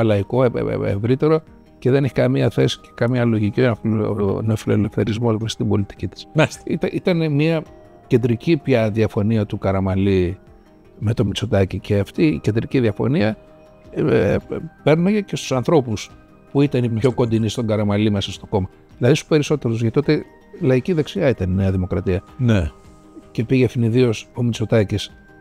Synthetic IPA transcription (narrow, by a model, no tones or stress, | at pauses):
ɐlɐiko̞̰ḛvɾit̪e̞ɾo̞ | ce̞ðeneçkɐmiɐθe̞si̥ce̥kɐmɲɐlo̞ʝicifneofilo̞lefθe̞ɾizmost̪imbo̞lit̪i̥cit̪i̥smɐst̪eit̪ɐʔit̪ɐnemiɐ | ce̞nd̪ɾicipçɐðiɐfo̞niɐt̪ukɐɾɐmɐli | me̞t̪o̞mit͡so̞t̪ɐcicʰeɐft̪ice̞nd̪ɾiciðiɐfo̞̰niɐ | pe̞ɾnɐece̞st̪usɐnθɾo̞pus | puit̪ɐniço̞ko̞nd̪inist̪o̞ŋɡɐɾɐmɐlime̞sɐst̪oko̞mɐ | ðilɐðisupe̞ɾiso̞t̪e̞ɾozʝɐt̪it̪ot̪e | lɐiciðeksiɐit̪ɐnineɐðimo̞kɾɐt̪iɐne | ce̞piʝefiniðio̞so̞mit͡so̞t̪ɐcis